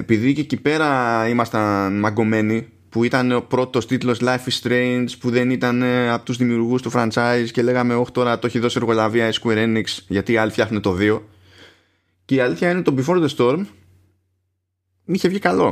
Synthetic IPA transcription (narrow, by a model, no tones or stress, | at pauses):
epiðicecipe̞ɾɐimɐst̪ɐnmɐɡo̞me̞ni | puit̪ɐnepɾo̞t̪o̞st̪it̪lo̞slɐjfist̪ɾeinspuðe̞nit̪ɐneɐpot̪uzðimiuɾɣust̪ufɾɐnt͡sɐisce̞le̞ɣɐme̞o̞ç̥t̪o̞ɾɐt̪oçiðo̞sie̞ɾɣo̞lɐviɐiskueɾe̞niksʝɐt̪iːɐliθçɐxnet̪o̞ðio̞ | ce̞iɐliθçɐinet̪o̞bifo̞ɾd̪est̪o̞ɾm | içe̞vʝikɐlo̞